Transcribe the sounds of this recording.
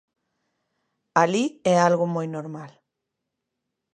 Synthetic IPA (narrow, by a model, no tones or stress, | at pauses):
aliealɣumojnoɾmal